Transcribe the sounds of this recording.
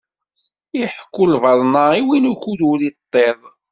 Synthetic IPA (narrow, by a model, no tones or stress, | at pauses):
iħkːʊlvɑɾˤnaiwinuçuðulit̪ˤːeðˤ